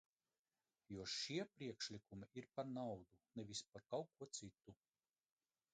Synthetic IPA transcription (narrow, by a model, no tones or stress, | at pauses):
juɔʃiɛpɾiɛkʃlʲikumiʔiɾpaɾnawd̪unɛvʲispaɾkawkuɔt̪sit̪ːu